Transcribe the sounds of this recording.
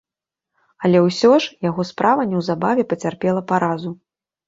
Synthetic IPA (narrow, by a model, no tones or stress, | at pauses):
ɐlʲɛwsʲɔʂjaɣɔspɾʔavɐnʲɛwzabavʲɛpɐt͡sʲarpʲɛlˠɐpaɾazu